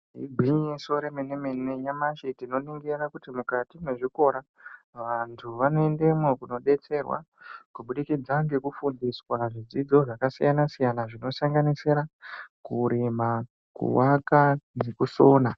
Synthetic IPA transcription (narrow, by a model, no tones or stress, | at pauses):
ɦḭɡʱiɲjeso̞ɾemenemenejamaʃitino̞niŋɡirakutimukatimeʐiko̞ɾa | ʋantʰuʋano̞e̞ndemokuno̞ɗe̞t͡se̞rwa̰ | kuɓuɗikid͡zaŋɡe̞kufundiswaʐid͡zid͡zo̞ʐakasijanasijanaʐino̞saŋɡanisiɾakuɾima | kṵwakanekusoːna